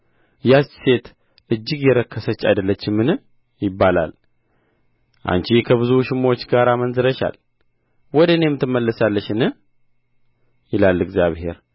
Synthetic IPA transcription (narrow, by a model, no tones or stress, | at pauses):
jast͡ʃːse̞t̪ | ʔɨd͡ʒːɪɡjɛɾəkʰːəsət͡ʃːʼa̰jd̪əlːət͡ʃːɪmːɨnɨ | jɪbːala̰l | ʔa̰nt͡ʃikʰəβɨzuʃɪmo̞t͡ʃːɡaɾamənzɨɾəʃa̰l | wɔd̪əɨne̞mːɨt̪ʰːɨmːəlːəsalːəʃɨnɨ | jɪlalːɨɡzjaβhe̞̰ɾ